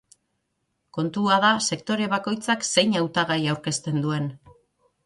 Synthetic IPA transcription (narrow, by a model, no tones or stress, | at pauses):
ko̞nt̪uaðase̞kt̪o̞ɾe̞β̞ako̞jt͡sakse̞jɲawt̪aɣ̞ajawɾke̞st̪e̞nd̪ue̞n